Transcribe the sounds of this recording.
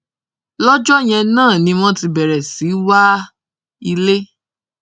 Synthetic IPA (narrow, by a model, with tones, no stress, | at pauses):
lɔ˦d͡ʒɔ˦j̃ɛ̃˧nãː˦˨nĩ˧˦m̃ɔ̃˦ti˧bɛ˨ɾɛ˨si˨˦wa˦ | i˧le˦